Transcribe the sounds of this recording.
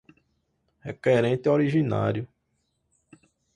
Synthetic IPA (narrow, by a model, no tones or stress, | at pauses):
hɛkɛɾẽnt̪ɪɔɾiʒĩna̰ɾjʊ